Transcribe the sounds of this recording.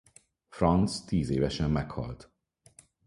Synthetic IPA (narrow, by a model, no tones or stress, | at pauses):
frɒnt̪st̪iːzeːvɛʃɛmːɛkhɒ̰lt̪